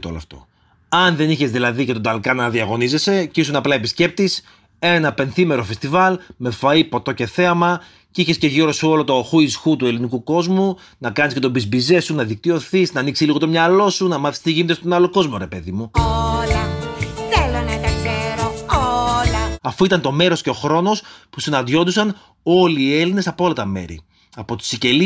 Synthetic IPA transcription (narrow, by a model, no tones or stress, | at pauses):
t̪olo̰ft̪o̞̰ | ɐnðe̞niçezðilɐðice̞t̪od̪ɐlkɐnɐðiɐɣo̞nize̞se̞cisunɐplɐepisce̞p̚t̪is | enɐpe̞nθime̞ɾofe̞st̪ivɐlme̞fɐipo̞t̪o̞ce̞θe̞ɐmɐ | ciçe̞sce̞ʝiɾo̞siolo̞t̪o̞xuisxut̪ue̞linikuko̞zmu | nɐkɐnisce̞t̪obizbize̞sunɐðik̚t̪io̞θisnɐːniksiliɣo̞t̪omɲɐlo̞sunɐmɐθi̥st̪iʝinit̪est̪onɐloko̞zmo̞ɾe̞pe̞ðimuolɐθelonɐt̪ɐseɾoolɐɐfoit̪ɐnt̪o̞me̞ɾo̞sce̞o̞xɾo̞no̞spusinɐnd̪ʝo̞nd̪usɐn | o̞liːe̞line̞sɐpoolɐt̪ɐme̞̰ɾḭ | ɐpo̞t̪i̥sice̞li